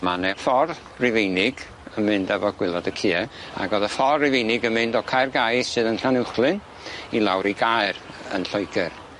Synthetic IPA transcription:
manɛfɔr | rɪvejnɪɡ̥ | əmɨndɛvɔɡ̥wɪlˠɔdəkʰiːɛa̰ɡɔðəfɔrrɪvejnɪɡəmɨndɔkʰajrɡajssɨːðənɬanɪχlˠɨn | ilˠawɾiɡajr | ə̰nɬɔjɡɛr

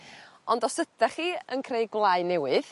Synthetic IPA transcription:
ɔndɔsədaχiːənkʰreɨjɡwlˠaɨnɛwɨð

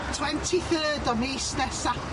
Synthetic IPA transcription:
tʰwɛntʰiθəːdɔniːsnɛsap

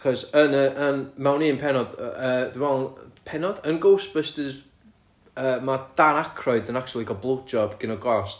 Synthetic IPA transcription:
aχɔsənəʔəːnmawniənpʰɛnɔd̥əːd̥ɪmvɛlˠnpʰɛnɔd̥ənɡowsb̥əstəz | əːmad̥anakʰrɔɨdənak̚t͡ʃʰulˠiɡɔblˠowdd͡ʒɔbɡ̥ɪnɔɡɔst

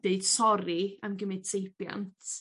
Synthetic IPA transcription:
d̥eɨd̥sɔɾiəmɡəmɪd̥sejpja̰ntʰ

